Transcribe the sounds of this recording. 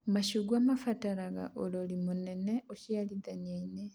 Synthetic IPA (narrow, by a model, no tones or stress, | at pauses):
maʃuɡwaːmafataɾaɣa̰ʔololimune̞neocialiðanjaine